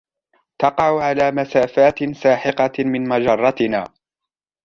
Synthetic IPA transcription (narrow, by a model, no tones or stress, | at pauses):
t̪ɑqɑʕʊʕalaːmasaːfaːt̪saːħɪqɑmɪnmad͡ʒɑrˤːɑt̪ɪnaː